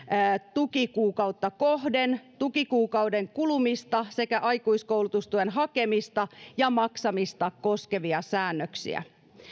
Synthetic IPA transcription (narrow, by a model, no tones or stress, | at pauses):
əːt̪ukikuːkɑwt̪ːɑkoɦdent̪ukikuːkɑwdeŋkulumist̪ɑse̞kæʔɑjkuiskowlut̪ust̪uenɦɑke̞mist̪ɑjɑmɑksɑmist̪ɑko̞ske̞ʋiɑsæːnːøksḭæ̰